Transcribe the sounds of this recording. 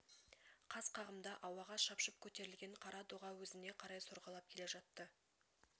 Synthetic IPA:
qʰɑz̥qʰɑʁəmd̪ɑʔɑwɑʁɑʃɑpʃəp̚kʲʰɵt̪e̞ɾɪlɡʲe̞ɴqʰɑɾɑd̪oʁɑwɵzɪne̞qʰɑɾɑjsoɾʁɑlˠɑp̚kʲʰe̞le̞ʒɑt̪ːə

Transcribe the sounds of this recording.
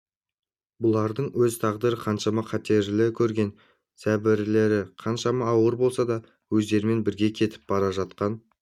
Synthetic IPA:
bʊlˠɑɾd̪əɴwɵzt̪ʰɑʁd̪əɾəqʰɑnʃɑmɑqʰɑt̪e̞ɾlɪkʲʰɵɾɡʲe̞n | sæbɪɾle̞ɾɪqʰɑnʃɑmɑːwəɾbo̞lˠsɑd̪ɑ | wɵzd̪e̞ɾɪme̞nbɪɾɡʲe̞kʲʰe̞t̪ʰɪ̥p̚bɑɾɑʒɑt̪qɑn

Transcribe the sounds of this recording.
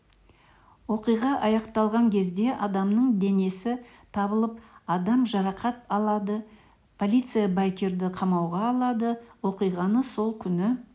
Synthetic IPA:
wo̞qijʁɑʔɑjɑqt̪ɑlˠʁɑŋkʲʰe̞zd̪e̞ʔɑd̪ɑmnəɴd̪e̞ne̞sɪt̪ʰɑbəlˠəp̚ɑd̪ɑmʒɑɾɑqɑt̪̚ɑlˠɑd̪ə | pʰo̞lʲijt̪sɨjabɑjkʲe̞ɾd̪ɪqʰɑmɑwʁɑːlˠɑd̪əwo̞qijʁɑnəso̞lˠkʲʰʏnɪ

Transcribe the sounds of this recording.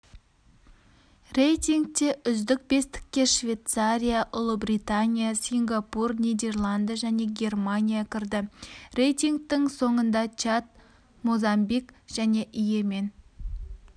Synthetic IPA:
re̞jt̪iŋɡ̚t̪e̞ʔʏzd̪ɪk̚be̞st̪ɪ̥k̚ʲːe̞ʃvʲe̞t̪saɾʲijaʔʊlˠəbrit̪anʲijasʲiŋɡapurnʲijd̪e̞rlˠand̪ijaʒæne̞ɡʲe̞rmanʲijakʲʰɪɾd̪ɪre̞jt̪iŋɡ̚t̪ɪŋso̞ɴənd̪ɑt͡ʃat̪̚ | mozɑmbikʒ̥æne̞ʔije̞me̞n

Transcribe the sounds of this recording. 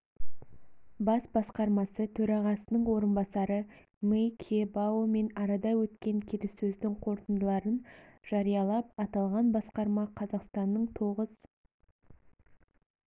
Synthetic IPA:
bɑsbɑsqɑɾmɑsət̪ʰɵɾɑʁɑsənəɴwo̞ɾənbɑsɑɾə | mejkʲʰebaome̞nɑɾɑd̪ɑwɵt̪kʲe̞ŋkʲʰeɾɪsɵzd̪ɪŋqʰo̞ɾt̪ənd̪əlˠɑɾənʒ̥ɑɾijɑlˠɑp̚ɑt̪ɑlˠʁɑnbɑsqɑɾmɑqʰɑzɑqst̪ɑnːəɴt̪ʰo̞ʁəz̥

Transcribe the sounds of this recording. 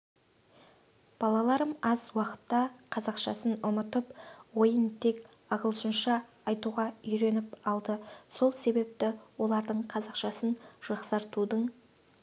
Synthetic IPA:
b̥ɑlˠɑlˠɑɾəmɑzwɑqə̥t̪ːɑqʰɑzɑqʃɑ̰sənʊmət̪əpwo̞jənt̪ʰe̞k | ɑʁəlˠʃənʃɑː | jt̪uʁɑʏjɾe̞nɪpɑlˠd̪əso̞lˠse̞be̞p̚t̪ɪwo̞lˠɑɾd̪əɴqʰɑzɑqʃɑsənʒ̥ɑqsɑɾt̪ud̪əɴ

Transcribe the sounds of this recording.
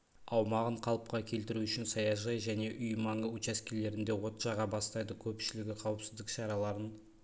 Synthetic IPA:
ɑwmɑʁəɴqʰɑlˠəp̚qɑkʲʰe̞lt̪ɪɾuʏʃɪnsɑjɑʒɑjʒæne̞ʔʏjmɑɴəut͡ʃæskʲele̞ɾɪnd̪e̞wo̞t̪ʒ̥ɑʁɑbɑst̪ɑjd̪əkʲʰɵpʃɪlɪɡʲɪqʰɑwəpsɪzd̪ɪkʃɑɾɑlˠɑɾən

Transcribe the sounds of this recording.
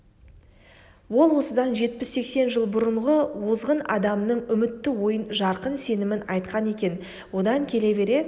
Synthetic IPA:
wo̞lˠwo̞səd̪ɑnʒe̞t̪̚pɪsːe̞kse̞nʒəlˠbʊɾəɴʁəwozʁənɑ̰d̪ɑmnəɴʏmɪt̪ːɪwo̞jənʒɑɾqənse̞nɪmɪnɑjt̪qɑne̞kʲe̞n | wo̞d̪ɑŋkʲʰe̞le̞be̞ɾe̞

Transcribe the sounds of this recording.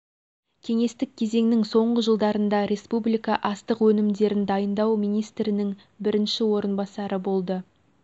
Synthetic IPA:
kʲʰe̞ŋe̞st̪ɪk̚ʲkʲʰːe̞ze̞ŋnɪŋso̞ɴʁəʒəlˠd̪ɑɾənd̪ɑɾe̞spublijkɑʔɑst̪əqwɵnɪmd̪e̞ɾɪnd̪ɑjənd̪ɑwmijnijst̪ɾɪnɪŋ | bɪɾɪnʃɪwo̞ɾənbɑsɑɾəbo̞lˠd̪ə

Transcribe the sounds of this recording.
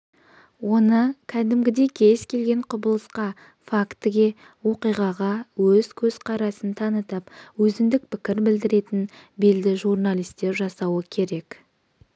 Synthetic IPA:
wo̞nəkʲʰæd̪ɪmɡʲɪd̪e̞kʲʰe̞skʲʰe̞lɡʲe̞ɴqʰʊbəlˠəsqɑ | fakt̪əɡʲe̞ | wo̞qijʁɑʁɑwɵzkʲʰɵz̥qʰɑɾɑsənt̪ʰɑnət̪ɑpwɵzɪmd̪ɪk̚pʰɪkʲɪɾbɪld̪ɪɾe̞t̪ɪn | be̞ld̪ɪʒuɾnalʲijst̪e̞ɾʒɑsɑwəkʲʰe̞ɾe̞k

